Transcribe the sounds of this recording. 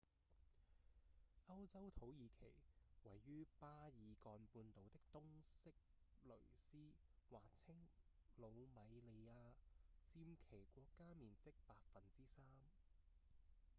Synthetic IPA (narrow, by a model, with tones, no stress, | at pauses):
ɐ˥wt͡sɐ˥wt̪ʰo˨˥wjiː˨˧kʰe˨˩jwɐ˨˩jːyː˥paː˥jiː˨˧kɔː˧npuː˧nt̪o˨wt̪ɪ˥k̚t̪ʊ˥ŋsɪ˥k̚lɵ˨˩ɥsiː˥waː˨k̚t͡sʰɪ˥ŋlo˨˧wmɐ˨˧jle˨˧jaː˧t͡siː˧mkʰe˨˩jkʷɔː˧kːaː˥miː˨˩nt͡sɪ˥k̚paː˧t̚fɐ˨nt͡siː˥saː˥m